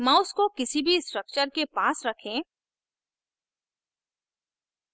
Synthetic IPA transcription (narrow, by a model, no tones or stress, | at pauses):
mãːʊskokɪsibʱisʈɾək̚t͡ʃəɾkepaːsɾɐkʰẽː